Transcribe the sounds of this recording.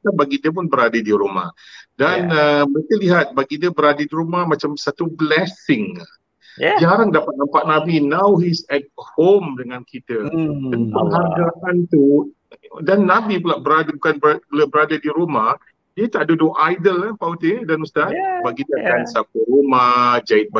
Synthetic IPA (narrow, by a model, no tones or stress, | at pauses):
k̪abaɡidiəp̬ʊnbəɾadadiɾoma̰hdanəməɾekəliɦat̪̚baɡidiəbəɾadədiɾumahmat͡ʃamsat̪ublɛsɪŋa | d͡ʒaɾaŋdapat̪̚nampaʔ̚nãbinawɦisɛt̚homdəŋankʰit̪ətənpəŋɦaɡɾaʔant̪u | danːabipəlaʔbəɾadəbukanbəpəlabəɾadədiɾomah | diət̪aʔdudoʔajdəlapaut̪edanust̪at̪̚baɡidəakansakuɾomad͡ʒaɪt̪̚ba